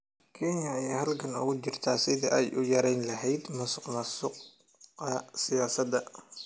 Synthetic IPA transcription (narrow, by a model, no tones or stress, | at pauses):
kʰɛnjɐɐjaːɦɐlkʰɐnʊ̰ɣʊt͡ʃɪrt̪ʰaːsɪðɐʔɛjʔʊjɐɾɛjnlɐɦɛjd̪mɐsʊqmɐsʊq | ɐsɪjaːsɐd̪ɐ